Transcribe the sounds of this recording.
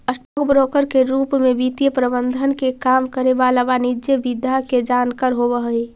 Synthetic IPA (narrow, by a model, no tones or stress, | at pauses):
əsʈokbɾokəɾkeɾupmebit̪ijəpɾəbənd̪ʱənkekamkəɾeʋalabanid͡ʒebid̪ʱjaked͡ʒankəɾɦobəɦi